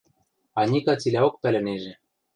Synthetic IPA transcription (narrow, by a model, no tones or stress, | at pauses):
ɑnʲikɑt͡silʲæokpælʲɘ̆neʒĕ